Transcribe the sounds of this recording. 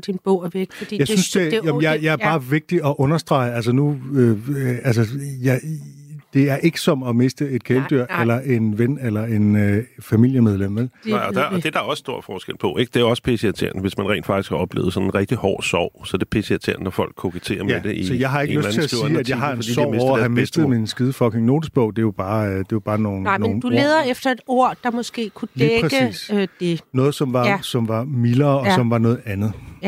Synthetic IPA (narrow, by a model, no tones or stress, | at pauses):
d̥inb̥o̰ʋe̥d̥ijɑ̈ɪynsd̥ejɛmjɑ̈ɪjɑ̈ɪɐb̥ɑ̈ːʋe̝ɡ̥̚d̥iʔɒ̽ʔɔ̽nɐsd̥ʁɑ̈ɪəæls̬ənuøæls̬əjɑɪ | d̥e̝æɐʔe̝ɡ̥ə̥sɒ̽mɒ̽me̝sd̥əe̝d̥̚kʰeld̥yɐ̰elɐʔe̝nʋenelɐe̝nfæmil̰jəmeð̞ˠlem̰ʋelnɑɪɒd̥d̥e̝d̥ɑɒ̽ssd̥o̝ɐ̰d̥fɒːsɡ̥el̰pʰɒ̽ʔe̝ɡ̥d̥e̝æɒ̽sə̥pʰeseæt͡sʰe̝ɐ̰nʋe̝smænʁɛ̰ːndfɡ̥isɡkʰæɒ̽b̥lḛːʊð̩ˠsɒ̽nenʁɛɡ̥̚d̥ihɒ̰ːsɒ̰ʊ̰sɒd̥epʰeseæt͡sʰe̝ɐ̰n̩əːɒfɒ̽l̰ɡ̥ʰokʰet͡sʰe̝̰ːɐmjed̥eʔisɒjɑ̈ɪɦɑ̈eɡøæt͡snʰeæsːæd̥jɑ̈ɪɦɑ̈en̥isɒʊ̰meshæmesd̥ð̩ˠminsɡ̥ið̞ˠfɒ̽ɡ̥ʰeŋno̝ːd̥isb̥ɔʊ̰d̥e̝job̥ɑ̈ːd̥e̝jɑb̥ɑ̈ːno̝ːnnːn̩dueːðˠɐefd̥ɐe̝d̥o̝ɐ̰d̥ɑ̈mɔsɡ̥e̝̰ːkʰudliːeʁɛɡ̥əisd̥e̝nɔ̽ːð̞̩ˠsɒ̽mʋɑ̈sɒ̽mʋɑ̈milɐːɒ̽sɒ̽mʋɑ̈nɔ̽ːð̩ˠænð̩ˠ